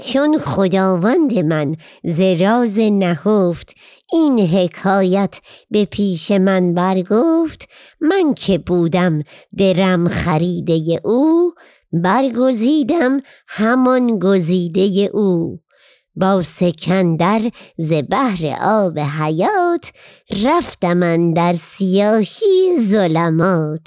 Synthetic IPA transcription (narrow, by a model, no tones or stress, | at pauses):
t͡ʃʰonχod̪ɒːvænd̪e̞mænzeɾɒːzenæɡoft̪iːnɦe̞kʰɒːjæt̪ʰbe̞pʰiːʃe̞mænbæɾɡoːft̪mænkʰe̞buːd̪æmd̪e̞ɾæmχæɾiːd̪e̞je̞ʔuː | bæɾɡo̞ziːd̪æm | hæmɒnɡoziːd̪e̞jeʔuː | bɒːse̞kʰænd̪æɾzebæhɾḛʔɒːbeɦæjɒːt̪ʰ | ɾæft̪æmænd̪æɾsijɒːhiːzolæmɒːt̪ʰ